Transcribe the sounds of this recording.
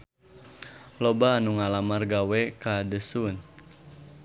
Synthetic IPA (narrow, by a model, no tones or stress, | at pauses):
lobaːnuŋalamarɡawɛkadəsun